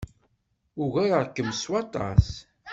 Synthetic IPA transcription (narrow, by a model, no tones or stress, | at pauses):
ʊɣæɾəɾˤkːəmswɑt̪ˤɑ̰s